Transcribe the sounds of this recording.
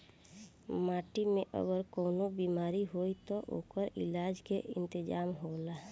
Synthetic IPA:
maːʈimẽʔə̰ɡəɾkoːnobiːmaːɾiɦoːit̪oʔo̰ːkəɾɪ̰laːd͡ʒkeʔɪ̰̃nt̪ɪd͡ʒaːmɦola

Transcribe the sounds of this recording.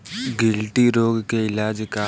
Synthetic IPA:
ɡɪlʈiɾoːɡkeɪlaːd͡ʒka

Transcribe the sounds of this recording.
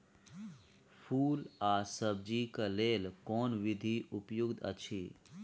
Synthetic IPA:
pʰuːlaːsəb̚d͡ʒikaleːlkoːnʋɪd̪ʱiʊpjʊɡd̪ə̰t͡ʃʰiː

